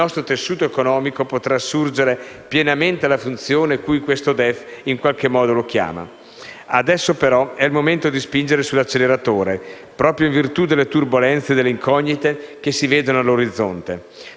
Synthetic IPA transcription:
ilnɔst̪ɾot̪esːuːt̪oekonɔːmikopot̪ɾasːurd͡ʒeɾe | pjenament̪ealafunt̪sjoːnekujkwest̪od̪ɛfiŋkwalk̟emɔːd̪olok̟ja̰ːma̰ | ad̪ɛsːopeɾɔɛilmoment̪od̪ispind͡ʒeɾesulat͡ʃːeleɾat̪oːɾe | pɾɔːpɾjoiɱvirt̪ud̪elːet̪urbolɛnt̪sed̪elːeiŋkʰɔɲːit̪ekesːiveːd̪onoalːoɾid̪zːont̪e

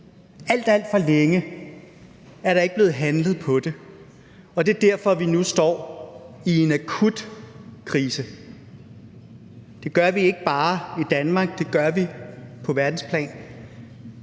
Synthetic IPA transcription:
æl̰d̥æl̰d̥fɒ̽leŋə | æɐɾɑ̈eɡ̥b̥le̝ːð̩ˠɦænləð̩ˠpʰɒ̽d̥e̝ | ɒ̽d̥e̝ɐd̥æɐ̰fɒ̽ʋinusd̥ɒ̰ːie̝nækʰud̥kʰʁiːsə | d̥e̝ɡ̥ɶɐʋie̝ɡ̥əb̥ɑ̈ːid̥ænmɑ̈ɡ̥̚d̥e̝ɡ̥ɶɐʋipʰɒ̽ʋæɐd̥n̩spʰlɛ̰ːn

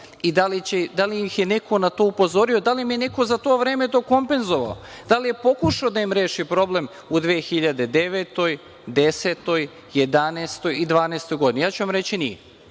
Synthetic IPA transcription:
id̪alit͡ɕed̪alimixjene̞kʰo̞nat̪o̞ːupo̞zo̞ɾio̞d̪alimijene̞ko̞zat̪oːʋɾeːme̞t̪o̞ːko̞mpe̞nzo̞ʋa̰o̰d̪̥alije̞po̞kuʃaod̪aimɾe̞ːʃipɾo̞ble̞m | ud̪ʋeːxiʎad̪e̞d̪e̞ʋet̪o̞j | d̪eseːt̪o̞j | jed̪aneːst̪o̞jid̪ʋaːneːst̪o̞jɡod̪inijaːt͡ɕuʋamɾet͡ɕinije

